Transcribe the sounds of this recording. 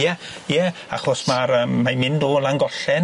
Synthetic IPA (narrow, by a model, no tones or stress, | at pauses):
jɛjɛa̰χɔsmaɾəːmːamɪndoːlaŋɡɔɬɛn